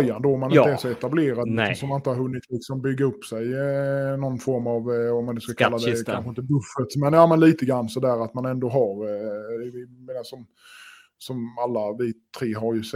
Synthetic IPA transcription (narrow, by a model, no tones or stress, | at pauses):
jːand̪oːɔmːanɪnəæːɾʂɔɛt̪ableːɾad̪sɔmanɪnt̪əhaɾɦɵnːɪt̪lɪksɔmbʏɡːəɾɵpːsɛjnɔnːfɔɾmavɔmand̪ɛskakʰalːad̪ɛkʰanɧəɪnt̪əbɵfət̪mɛnjɑːmɛnliːt̪əɡɾanːsɔd̪æːɾat̪manɛnd̪oːɦaɾɛvɪmeːnasɔm | sɔmalːavɪt̪ʰɾeːɦaɾjɵs